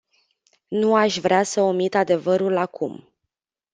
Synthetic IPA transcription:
nuaʃʲvɾeasəo̞mit̪ad̪e̞vəɾulakʰṵm

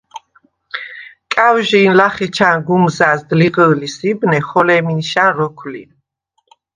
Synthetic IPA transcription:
kʼawʒiːnlaχɛt͡ʃʰanɡumzasd̪liʁəːlisibnɛχɔlɛminʃanɾɔkʰlḭn

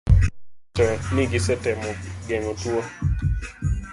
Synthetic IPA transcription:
ɔnɪɡɪsɛtɛmɔɡɛŋotwo

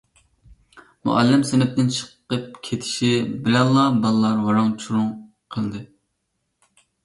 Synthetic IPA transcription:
mṵʔɑ̰lːɪmsɪnɪp̚t̪ɪnt͡ʃʰə̥qqːəp̚kʲʰet̪ʰɪ̥ʃibɪlɛnlˠɑbɑlˠɨlˠɑɾwɑɾɑŋt͡ʃʰuɾuŋ | qʰəlˠd̪ɨ

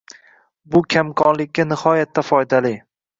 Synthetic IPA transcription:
bʊkʲʰamkʰɒnlɪkʲːanɪhɒjat̪ʰːafɒjd̪alɪ

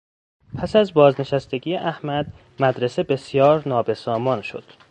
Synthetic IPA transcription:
pʰæsæzbɒːzne̞ʃæst̪e̞ɟijeʔæhmæd̪ | mæd̪ɾe̞se̞be̞sjɒːɾnɒːbe̞sɒːmɒːnʃo̞̰d̪̥

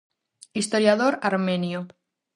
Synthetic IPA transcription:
ist̪o̞ɾjaðoɾaɾmẽnjo

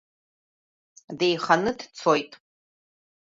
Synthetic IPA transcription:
dejχanɨdt͡sʰojtʼ

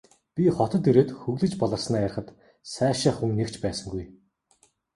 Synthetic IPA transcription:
pʲiχɔt̪ɞ̆t̪ɵɾeːt̪xɵɣɮɘ̆t͡ɕpɔɮə̆rsnæːjar̆χə̆t̪ | sæːʃaːχuŋnekt͡ɕpæːsə̆ŋɡuj

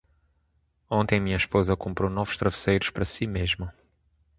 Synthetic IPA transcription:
õnt̪ẽj̃mĩɲɐiʃpozɐkõmpɾonɔvu̥ʃt̪ɾɐvɨsejɾʊʃpɐɾɐsimeʒmɐ

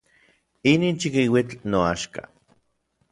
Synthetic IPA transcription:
iniːnt͡ʃikiwit͡ɬnoaʃka̰

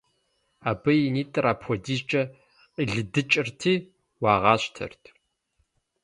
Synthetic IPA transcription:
aːbɐjiniːtʼɨraːpʰxʷɔdiːzt͡ʃʼɐ | qʼiːɮɨdɨt͡ʃʼɪrtʰiː | wɑːʁɑːɕtʰɐ̰rtʰ

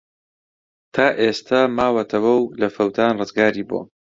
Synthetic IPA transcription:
t̪ʰaːʔest̪ʰamaːwɐt̪ʰɐwɐwlɐfɐwt̪ʰaːnrɨzɡaːɾiːbo̰

